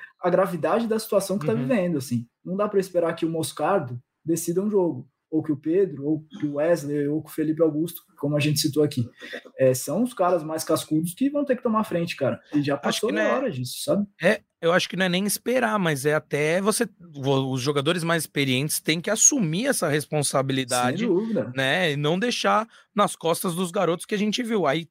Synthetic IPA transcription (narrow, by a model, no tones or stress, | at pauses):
ɐɡɾavid̪ad͡ʒɪd̪ɐsi̥t̪uasɐ̃w̃kɪt̪avivẽnd̪ʊasĩnɐ̃w̃d̪apɾɐɪspeɾaɾkɪʊmoskaɾd̪ʊ | d̪esid̪ɐũʒoɡʊ | owkɪʊped̪ɾʊowkɪʊɛzleowkʊfelipɪawɡust̪ʊ̥kõmʊɐʒẽnt͡ʃɪ̥sit̪oakiɛsɐ̃w̃ʊskaɾɐzmajskaskud̪ʊskɪvɐ̃w̃t̪eɾkɪt̪õmafɾẽnt͡ʃɪ̥kaɾɐɪʒapasʃʊkoɪñɔɾɐd͡ʒisʊ̥sabɪɛ | ewaʃʊ̥kɪnɐ̃ɛnẽj̃ɪspeɾamɐzɛat̪ɛvosevoʊzʒoɡad̪oɾɪzmajzɪspeɾiẽnt͡ʃɪ̥st̪ẽj̃kɪasumiɛsɐhespõsabilid̪aẽd͡ʒ̪ɪd̪uvid̪ɐnɛɪnɐ̃w̃d̪ejʃa | nɐskɔst̪ɐzd̪ʊzɡaɾot̪ʊ̥skɪaʒẽnt͡ʃɪviwai